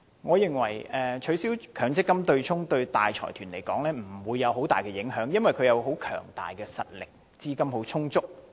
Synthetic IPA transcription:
ŋɔː˨˧jɪ˨ŋwɐ˨˩jɛː˨t͡ʃʰɵ˨˧ɥsiː˨˥wkʰœː˨˥ŋt͡sɪ˥kːɐ˥mt̪ɵ˧ɥt͡sʰʊ˥ŋt̪ɵ˧ɥt̪a̰ː˨jt͡ʃʰɔ̰ː˨˩jt̪ʰyː˨˩nle˨˩jkɔː˨˥ŋlɛː˥m̩˨˩wuː˨˧jːɐ˨˧who˨˥wt̪aː˨˩jkɛː˧jɪ˨˥ŋɦœː˨˥ŋjɐ˥nwɐ˨˩jkʰɵ˧jɐ˨˧wɦo˨˥wkʰœ̰ː˨˩ŋt̪a̰ː˨jkɛː˧sɐ̰˨t̚lɪ˨˩k̚ | t͡siː˥kɐ˥mho˨˥wt͡sʰʊ˥ŋt͡sʊ˥k̚

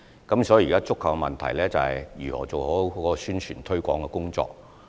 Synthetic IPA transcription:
kɐ˨˥msɔː˨˥ji˨kaː˥t͡sʊ˥kʰːɐ˨wkɛ˧mɐ˨nt̪ʰɐ˨˩jlɛː˥t͡sɐ˨hɐ̰˨jjyː˨˩hɔ̰ː˨˩t͡so˨whɔ˨˥ɔː˦ɔ˧syː˥nt͡ʃʰy̰ː˨˩nt̪ʰɵ˥ɥkʷɔ̰ː˨˥ŋkɛ˧kʊ˥ŋt͡sɔ̰ː˧k̚

